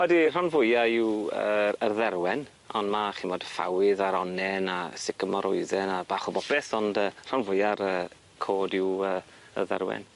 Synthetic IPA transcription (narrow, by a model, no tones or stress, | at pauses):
ɔdir̥anvʊjaɪwəərðɛrwɛn | ɔndmaχiːmodəfa̰wɪðaɾɔnɛnasɪkəmɔɾʔʊɨðɛnabaːχɔbɔbɛθɔndəːr̥anvʊjaɾəː | kʰoːdɪwəː | ə̰rðɛ̰rwɛ̰n